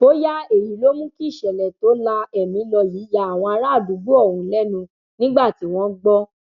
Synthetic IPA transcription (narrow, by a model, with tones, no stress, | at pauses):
o˦ja˦e˨ɾi˨˦lo˦mũ˦ki˦˨ʃɛ˨lɛ˨to˨˦la˧ɛ˨mĩ˧lɔ˧ji˨˦ja˨˦a˨w̃ɔ̃˧a˧ɾa˦˨du˨˦ɡ͡bu˦ɔ˦˨hũ˨˦lɛ˦nũ˧ | nĩ˦ɡ͡ba˦˨ti˨˦w̃ɔ̃˦ɡ͡bɔ˦